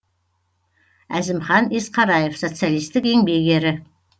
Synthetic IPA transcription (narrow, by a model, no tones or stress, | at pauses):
æzɪmχɑnesqʰɑɾɑje̞fso̞t̪sɨjalijst̪ɪke̞ŋbe̞ɡʲe̞ɾɪ